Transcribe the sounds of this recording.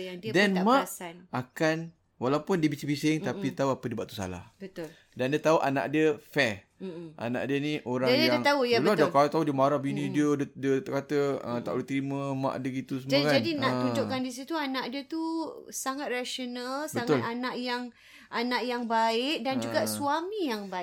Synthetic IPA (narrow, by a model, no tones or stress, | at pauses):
jaŋdiədɛnamãʔasanakan | walaupʊndiəbit͡ʃibisɪŋt̪apit̪auapədiəbaʔt̪usa̰la̰hbət̪ʊl | dandiət̪auʔa̰na̰ʔdiəfɛ | ʔa̰na̰ʔdiənĩʔoɾaadəjaaŋt̪aujləadakat̪audiəmaɾahbinĩdiəddiəkat̪əət̪a̰ʔlut̪ɾimə̃mã̰ʔdəɡit̪us̬əmd͡ʒakad͡ʒadinaht̪ud͡ʒoʔkandisit̪uanãʔdiət̪usaŋat̪̚raʃonalsbəaŋaʊlanaʔjaŋ | anaʔjaŋbaɪk̚dand͡ʒuɡasuamijaŋbaɪk̚